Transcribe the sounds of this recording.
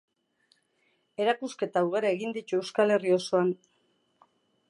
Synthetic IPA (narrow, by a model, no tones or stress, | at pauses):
e̞ɾakuske̞t̪auɣ̞aɾae̞ɣind̪it̪ue̞wskale̞rio̞so̞an